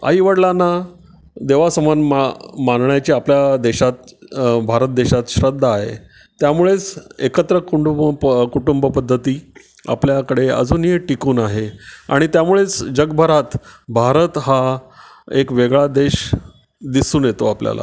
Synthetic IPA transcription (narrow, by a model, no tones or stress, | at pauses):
a̰ɦiʋəɽlanːa | d̪eʋasəmanmamanɳjat͡ɕiːapljad̪eɕat̪bʱaɾət̪̚d̪eɕat̪ɕɾəd̪ʱːaɦḛ | t̪jamuɭet͡sekət̪ɾəkuɳɖukuʈumbəpəd̪ʱːət̪iː | a̰pljakəɽeə̰d͡zuːniəʈikuːnaɦea̰ɽ̃it̪jamuɭet͡sd͡ʑəɡbʱəɾat̪bʱaɾət̪ɦa | ekʋeɡɭad̪eɕ | d̪isuːnjet̪oaplja̰la̰